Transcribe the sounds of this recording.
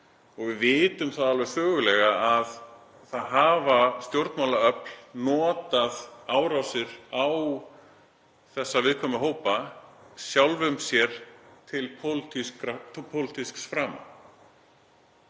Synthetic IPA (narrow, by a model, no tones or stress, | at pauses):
ɔɣvɪðvɪːt̪ʏmθaðalvɛɾfʏːɣʏlɛɣaað | θaðɦaːvast̪jowɾt̪nmawlaœpl̥nɔːt̪aðaːwɾawsɪɾaw | θɛsːavɪðkʰɔːmʏɦoːwpasjawlvʏmsjɛɾ̥t̪ʰɪlpʰowlt̪iskɾapʰowlɪt̪isksfɾaːma̰